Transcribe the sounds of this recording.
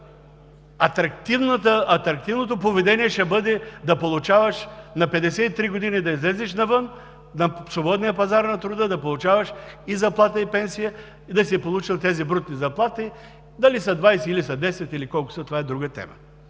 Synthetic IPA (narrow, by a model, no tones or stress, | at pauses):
ɐt̪ɾɐkt̪ivnət̪əɐt̪ɾɐk̚t̪ivnot̪̬opovɛd̪ɛniɛʃɛbɤd̪ɛd̪ɐpolˠut͡ʃavəʃnɐpɛd̪ɛsɛit̪ɾiɡod̪inid̪ɐizlɛzɛʃnɐvɤn | nɐsobɔd̪nijəpɐzaɾnɐt̪ɾʊd̪əd̪ɐpolˠut͡ʃavɐʃizɐplˠat̪əipɛnsijə | id̪ɐsipolˠut͡ʃilˠt̪ɛzibɾut̪nizɐplˠat̪i | d̪ɐlisɐd̪vajsɛilisɐd̪ɛsɛt̪ilikɔlˠkʊ̥sɐt̪ovaɛd̪ɾuɡət̪ɛ̰mə̰